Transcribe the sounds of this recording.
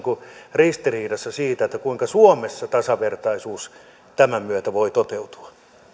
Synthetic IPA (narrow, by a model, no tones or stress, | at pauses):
kurist̪iriːdɑsːɑsiːt̪æet̪ːækuiŋkɑsuomesːɑt̪ɑsɑʋert̪ɑisuːs | t̪æmæmyøt̪æʋoit̪ot̪eut̪u̥ɑ̥